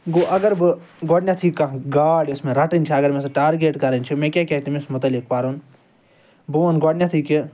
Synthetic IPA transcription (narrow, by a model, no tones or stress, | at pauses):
ɡoːʔɐɡəɾbɨ | ɡoːɽnʲjãt̪ʰiːkãɡaːɽʊsmẽːɾɐʈənt͡ʃʰaːɐɡəɾmẽsʈaːɾɡeːʈkɐɾənʲt͡ʃʰimẽːkʲaːkʲjaːt̪imɪsmʊt̪əlɪk̚paːɾun | buʋənɡoːɽnʲjãːt̪ʰiːkɪ